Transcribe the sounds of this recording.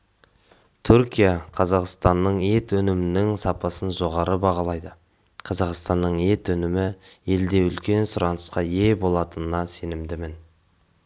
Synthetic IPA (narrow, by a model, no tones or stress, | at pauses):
t̪ʰʊɾkʲijaqʰɑzɑqst̪ɑnːəɴe̞t̪ɵnɪmɪnɪŋsɑpɑsənʒo̞ʁɑɾəbɑʁɑlˠɑjd̪ə | qʰɑzɑqst̪ɑnːəɴe̞t̪ɵnɪmɪe̞ld̪e̞ʏlkʲe̞nsʊɾɑnəsqɑje̞bo̞lˠɑt̪ənənɑse̞nɪmd̪ɪmɪn